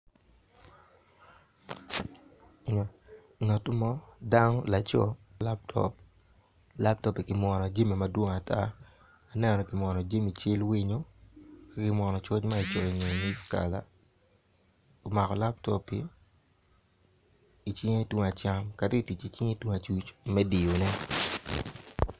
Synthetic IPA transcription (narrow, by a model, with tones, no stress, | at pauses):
ɲɔ˨ | ŋa˨tu˦mɔ˦da˦nɔ˦la˨t͡ʃɔ̰˦la˦p̚tʰɔ̰˨p | la˦p̚tɔ˦pi˨kɪ˨mwɔ˨nɔ˨d͡ʒe˦mi˨ma˨dwo˦ŋa˨tʰaː˦˨ | nɛ˦nnɔ˨kɪ˨mɔ˨nɔ˨d͡ʒe˦mi˨t͡ʃɪ˦lwi˦ɲo˦ka˦kɪ˨mwɔ˨nɔ˨t͡ʃɔ˦t͡ʃma˦i˨t͡ʃɔ˨ɲe˨ɲi˦ska̰˨la̰˨ | o˨ma˨kɔ˨la˦p̚tɔ˦pḭ˨ | t͡ʃi˦ŋe˦two˦ŋa˨t͡ʃa˦mka˨ti˦˨ti˨t͡ʃi˨t͡ʃi˦ŋe˦two˦ŋa˨t͡ʃu˦t͡ʃmɛ˦di˨jo˨nɛ˦